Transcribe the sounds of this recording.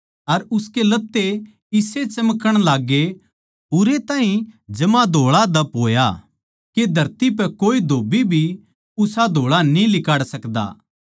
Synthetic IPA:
ɐɾʊskelɐt̪ːe | ɪset͡ʃɐməkəɽ̃laːɡe | ʊɾet̪ãːɦĩd͡ʒɐmãd̪ʱoːɭad̪ɐpɦoːja | ked̪ʱɐɾt̪ip̬ɛkoːid̪ʱoːbibʱi | ʊsad̪ʱoːɭanĩlɪkaːɽsɐkd̪a̰ː

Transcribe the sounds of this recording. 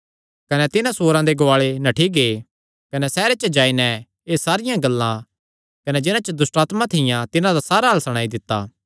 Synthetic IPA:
kɐnɛt̪ɪnãsoːɾãd̪eɡoaːɭenɐʈʰiɡeː | kɐnɛsɛːɾet͡ʃəd͡ʒaːinɛ | eːsaːɾɪjãɡɐlːã | kɐnɛd͡ʒɪnãt͡ʃəd̪ʊsʈaːt̪mãt̪ʰɪjãt̪ɪnãd̪asaːɾaɦɐlsɐɽ̃aːid̪ɪt̪ːa̰ː

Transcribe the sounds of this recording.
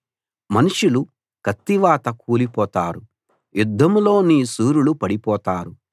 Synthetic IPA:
mɐnuʂulu | kɐt̪ːiʋaːt̪ɐkuːlipɔːt̪aːɾu | jud̪ʱːɐmlo̞ːniːsuːɾulupɐɽipɔːt̪aːɾu

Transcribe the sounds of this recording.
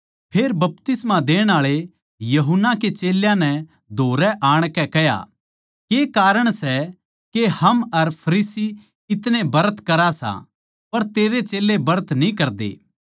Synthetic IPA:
pʰeːɾbɐp̚t̪ɪsmãd̪eːɽ̃aːɭe | jɐɦʊnːaket͡ʃeːljãnɛ | d̪ʱoːɾɛʔaːɽ̃kɛkɛja̰ | keːkaːɾəɽ̃sɛ | kehɐmɐɾpʰɐɾiːsi | ɪt̪nẽbɐɾət̪kɐɾasã̰ | pɐɾt̪eːɾet͡ʃeːlebɐɾət̪nĩkɐɾd̪ḛː

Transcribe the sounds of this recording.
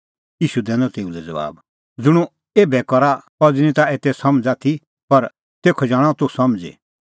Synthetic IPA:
jiːʃud̪ɛ̃ːnɔt̪eːũlɛd͡zɐ̰ba̰ːb | d͡zʊɽ̃ũ | eːbɛkɔɾapɔd͡zinĩt̪aeːt̪ɛsɐmd͡zaːt̪ʰi | pɐɾ | t̪eːkʰɔd͡ʒaːɽ̃ɔ̃t̪usɐmd͡zḛ

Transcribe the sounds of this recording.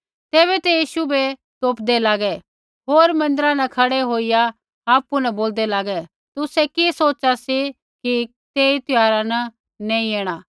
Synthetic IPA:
t̪eːβɛt̪ɛjiːʃubet̪oːpd̪elaːɡɛ | ɦoːɾmɐ̃nd̪əɾãnɐ̃kʰɐɽeɦoːija | aːpunɐboːld̪ɛlaːɡɛ | t̪ʊsɛkisoːt͡ʃasi | ki | t̪eːit̪ʊjaːɾanɐ | nɛ̃ːĩeːɽ̃aː

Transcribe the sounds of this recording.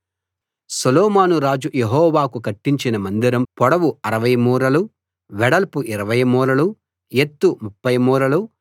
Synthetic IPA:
sɐlɔːmaːnuɾaːd͡ʒujeɦɔːʋaːkukɐʈːiɲt͡ʃinɐmɐnd̪iɾɐmpɔɽɐʋuɐɾɐʋɐjmuːɾɐlu | ʋɛɽɐlpuʔiɾɐʋɐjmuːɾɐlu | et̪ːumupːɐjmuːɾɐlu

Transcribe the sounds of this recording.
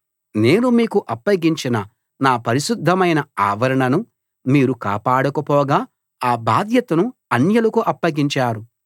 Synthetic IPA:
ne̞ːnumiːkuʔɐpːɐɡiɲt͡ʃinɐ | naːpɐɾiʃud̪ʱːɐmɐjnɐaːʋɐɾɐɳɐnu | miːɾuka̰ːpaːɽɐkɐpɔːɡaː | aːbaːd̪ʱjɐt̪ɐnuɐnjɐlɐkuʔɐpːɐɡiɲt͡ʃaːɾu

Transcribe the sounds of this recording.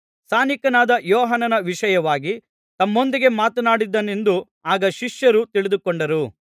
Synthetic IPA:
saːnikɐnaːd̪ɐjɔːɦɐnɐnɐʋiʂɐjɐʋaːɡi | t̪ɐmːo̞nd̪iɡe̞maːt̪ɐnaːɽid̪ːɐne̞nd̪u | aːɡɐʃiʂjɐɾut̪iɭid̪ukoɳɖɐɾu

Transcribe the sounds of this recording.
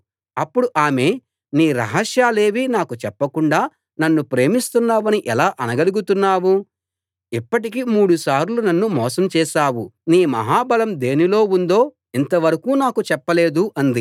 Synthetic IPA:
ɐpːuɽuʔaːme̞ː | niːɾɐ̰ɦɐʃjaːle̞ːʋinaːkut͡ʃɛpːɐkuɳɖaː | nɐnːupɾe̞ːmist̪unːaːʋɐniʔɛlaːʔɐnɐɡɐluɡut̪unːaːwu | ipːɐʈ̬ikimuːɽusaːɾlunɐnːumɔːsɐmt͡ʃɛːʃaːwuniːmɐ̰ɦaːbɐlɐmd̪e̞ːnilo̞ːund̪o̞ː | int̪ɐʋɐɾɐkuːnaːkut͡ʃɛpːɐle̞ːd̪uʔɐnd̪i

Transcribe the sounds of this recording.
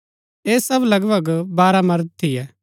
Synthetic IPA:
eːsɐblɐɡbəɡbaːɾamɐɾd̪̚t̪ʰɪjɛː

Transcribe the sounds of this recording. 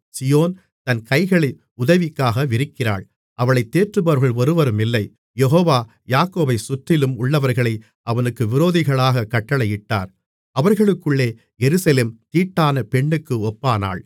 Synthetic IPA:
sɪjoːn | t̪ɐnkɐɪɣɐɭɐɪ | ʊðɐʋɪkːaːɣɐʋɪɾɪkːɪra̰ːɭ | ʔɐʋɐɭɐɪt̪ːeːʈrɯbɐɾɣɐɭʋɐɾɯʋɐɾɯmɪlːɐɪ | jɛɦoːʋaː | jaːkːoːbɐɪsʊt̪ːɪlɯmʊɭːɐʋɐɾɣɐɭɐɪ | ʔɐʋɐnɯkːɯʋɪɾoːðɪɣɐɭaːɣɐkɐʈːɐɭɐjɪʈːa̰ːɾ | ɐʋɐɾɣɐɭɯkːɯɭːeː | jɛɾɯsɐleːmt̪iːʈːaːnɐpɛɳːɯkːɯɔpːaːna̰ːɭ

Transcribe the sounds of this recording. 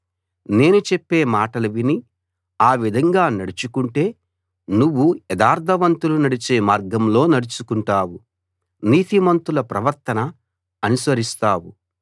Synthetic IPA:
ne̞ːnut͡ʃepːe̞ːmaːʈɐlɐʋini | aːʋid̪ʱɐŋɡaːnɐɽit͡ʃukuɳʈe̞ː | nuʋːuɛd̪aːɾd̪ʱɐʋɐnt̪ulunɐɽit͡ʃe̞ːmaːɾɡɐmlo̞ːnɐɽut͡ʃukuɳʈaːwu | niːt̪imɐnt̪ulɐpɾɐʋɐɾt̪ɐnɐ | ɐnusʋɐɾist̪aːwu

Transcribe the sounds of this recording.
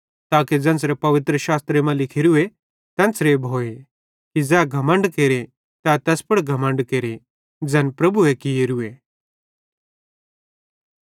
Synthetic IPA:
t̪aːked͡zɛ̃ːnt͡sɾepɐʋɪt̪ɾəʃaːst̪ɾemãlɪkʰɪɾue | t̪ɛ̃nt͡sɾebʱoːe | kid͡zɛːɡʱɐmə̃ɳɖkeːɾe | t̪ɛt̪ɛspɐɽɡʱɐmə̃ɳɖkeːɾe | d͡zɛːnpɾɐbuekɪeːɾue

